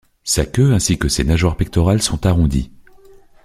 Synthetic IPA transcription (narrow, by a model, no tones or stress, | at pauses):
sakʲøɛ̃sikʲəsenaʒwaʁpɛk̚t̪ɔʁalsɔ̃t̪aʁɔ̃d̪ḭ